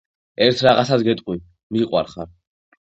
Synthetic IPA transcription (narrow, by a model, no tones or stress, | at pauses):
ɛɾt̪ʰɾaʁat̪sasɡɛt̪ʼqʼwi | miqʼwa̰ɾχaɾ